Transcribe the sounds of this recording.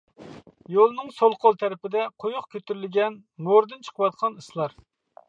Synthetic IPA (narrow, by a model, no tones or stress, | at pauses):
jolˠnɨŋsolˠqʰolˠt̪ʰɛɾɪpɪd̪ɛqʰojʊχkʲʰøt̪yɾɪlɪɡʲɛn | moɾd̪ɨnt͡ʃʰə̥qʰəwɑt̪̚qʰɑnɨslˠɑɾ